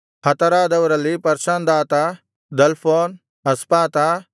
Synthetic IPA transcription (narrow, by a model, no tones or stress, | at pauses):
hɐt̪ɐɾaːd̪ɐʋɐɾɐlːipɐɾʃand̪aːt̪a | d̪ɐlpʰoːn | ɐspaːt̪a